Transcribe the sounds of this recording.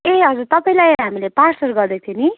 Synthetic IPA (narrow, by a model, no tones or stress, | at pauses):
eʌd͡zuɾt̪ʌpaĩlajɦamileparsʌrɡʌɾd̪et̪ʰini